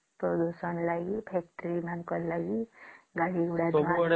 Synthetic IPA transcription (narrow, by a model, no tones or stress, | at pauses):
pɾɔd̪usʌnlaɡipʰɛk̚ʈɾimankɔlaɡiɡaɽiɡuɽamaɔ